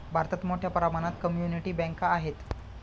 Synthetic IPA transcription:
bʱaɾt̪at̪moʈʰjapəɾamañat̪kəmjuniʈiːbɛ̃ŋkaːɦet̪

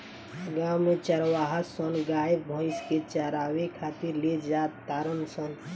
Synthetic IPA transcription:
ɡamːet͡ʃəɾwaɦasɔnɡajbʱɔɪsket͡ʃəɾawekʰat̪iɾled͡ʒat̪ːaɾənsən

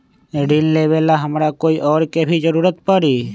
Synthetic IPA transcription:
eɖinleʋelaɦəmɾakoːiʔɔːɾkebʱid͡ʒəɾuːɾət̪pəɾiː

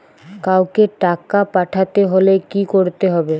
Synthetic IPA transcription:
kawkeʈakapaʈʰat̪eɦolekikoɾt̪eɦɔbe

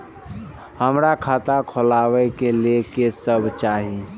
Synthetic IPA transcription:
həmɾakʰaːt̪akʰolaːwɛkelekesəbʱt͡ʃaːɦi

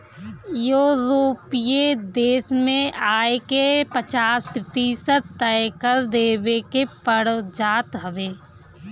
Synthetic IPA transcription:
joːɾoːpijed̪eːsmẽaːekepət͡ʃaːspɾɪt̪iːsət̪ɛjkəɾd̪eːbekepəɽd͡ʒaːt̪ɦəʋeː

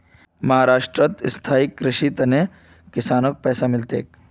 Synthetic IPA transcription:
mɐɦaːɾaːʂʈɾət̪st̪ʰaːikːɾɪʃit̪ɐne | kɪsaːnək̚pɛːsamɪlt̪ḛːk

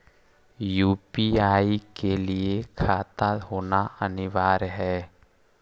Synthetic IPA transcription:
juːpiaːikeliekʰaːt̪aɦoːnaənɪʋaːɾɦɛː

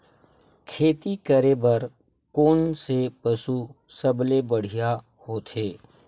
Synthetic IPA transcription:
kʰeːt̪ikəɾebɐɾ | koːnsepəsusəblebəɽ̤ija | hoːt̪ʰeː

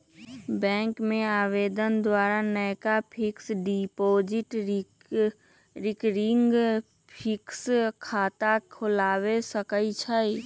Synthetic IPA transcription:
bɛ̃ːŋkmẽaːweːd̪ənd̪waːɾanəjkapʰɪksɖipoːd͡ʒɪʈ | ɾɪkɾɪŋɡ | pʰɪkskʰaːt̪akʰʊlaːwesəkəit͡ʃʰai

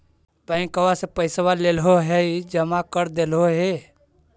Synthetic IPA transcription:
bəɪ̃ŋkəwasepəɪswalelɦoɦɛid͡ʒəmakəɾd̪elɦoɦe

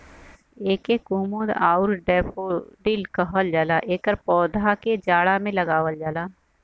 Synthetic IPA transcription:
eːkekuːmud̪aːʊɾɖɛːpʰoɖ̪ilkəɦəld͡ʒaːlaʔeːkəɾpɔːd̪aked͡ʒaːɽamẽlɐɡaːʋəld͡ʒaːlaː

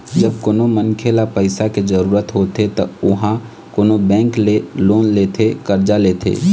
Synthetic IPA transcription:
d͡ʒəb̚koːnomənkʰelapəɪsaked͡ʒəɾuːɾət̪ɦot̪et̪əʊɦã | koːnobɛ̃ːŋkleloːnleːt̪ʰekəɾd͡ʒaleːt̪ʰḛː

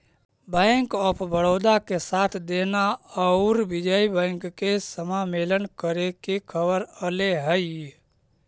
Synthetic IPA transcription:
bə̃ɪŋkɔːpʰbəɽoːd̪akesaːt̪ʰd̪enaɔʊɾbɪd͡ʒəibə̃ɪŋkːesəmameːlənkəɾekekʰəbəɾəleɦəi

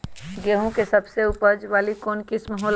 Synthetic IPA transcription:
ɡeːɦõkesɐbseʊpəɾd͡ʒʋaːlikɔːnkɪsmɐɦɔːl

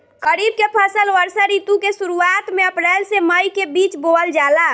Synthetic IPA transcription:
ɡəɾib̚kepʰəsəlʋəɾsəɾit̪ukesuɾuat̪meəpɾɛlseməjkebit͡ʃboəld͡ʒala

